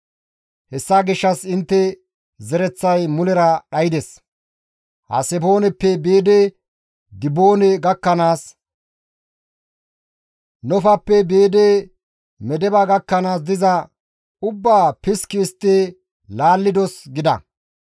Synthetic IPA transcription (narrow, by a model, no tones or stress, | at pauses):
hɛsːaːɡɪʃːɐsɪnt̪ːɛ | zɛɾɛt͡sːɐjmʊlɛɾɐɗɐjɪd̪ɛs | hɐ̰sɛfo̞ːnɛpːɛbeːd̪e | d̪ɪboːnɛɡɐkːɐnaːs | nɔfɐpːɛbeːd̪eː | mɛd̪ɛbɐɡɐkːɐnaːs̬d̪ɪzɐ | ʊbːaːpɪskɪst̪ːeː | laːlːɪd̪ɔsɡɪd̪ɐ̰